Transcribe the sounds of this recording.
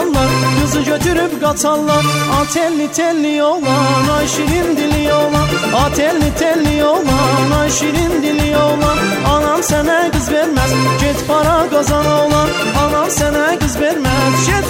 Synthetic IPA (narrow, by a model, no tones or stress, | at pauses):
lˠːaɾɡɯzɯd͡ʒøt̪ʰyɾypɡat̪ʰalˠːaɾat̪ʰɛlʲːit̪ʰɛlʲːijolˠanaʃiɾind̪ilʲijolˠan | at̪ʰɛlʲːit̪ʰɛlʲːijolˠanaʃiɾind̪ilʲijolˠan | alˠamsɛnæɾɡɯzbɛɾmæzd͡ʒɛt̪pʰaɾaɡazanɯolˠan | alˠamsɛnæɾɡɯzbɛɾmɛzʃɛt̪